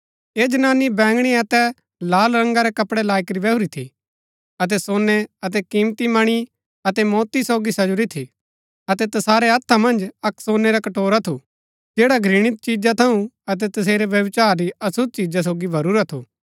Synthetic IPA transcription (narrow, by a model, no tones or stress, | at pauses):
eːd͡ʒɐnaːnibɛ̃ːŋɡɽ̃iɐt̪ɛ | laːlɾɐ̃ŋɡaɾɛkɐpɽelaːɪkɾibɛɦuɾit̪ʰḭ | ɐt̪̬ɛsoːnːɛɐt̪ɛkiːmt̪imɐɽ̃i | ɐt̪ɛmɔːt̪isoːɡisɐd͡ʒʊɾit̪ʰi | ɐt̪ɛt̪ɐsaːɾeɐt̪ʰːamɐ̃nd͡ʒɐksoːneɾakɐʈoːɾat̪ʰu | d͡ʒeːɽaɡʱɾɪɽ̃ɪt̪̚t͡ʃiːd͡ʒat̪ʰɐũɐt̪̬ɛt̪ɐs̬eːɾeʋjɐʋt͡ʃaːɾɾiɐsʊd̪̚t͡ʃiːd͡ʒas̬oːɡibʱɐɾuːɾat̪ʰuː